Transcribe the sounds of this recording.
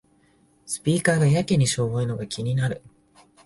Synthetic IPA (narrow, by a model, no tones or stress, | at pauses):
sɨ̥pʲiːkaːɡajakʲeɲ̟iɕo̞ːβoɯno̞ɡakʲʰiɲ̟inaɾɯ̟